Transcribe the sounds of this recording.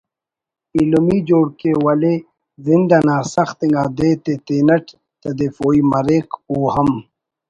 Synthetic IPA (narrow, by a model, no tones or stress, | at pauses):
ilumid͡ʑoːɽkewɐle | zind̪anaːsɐxt̪iŋɡaːd̪eːt̪et̪eːnɐʈ | t̪ɐd̪efoːimɐɾeːkuːhɐm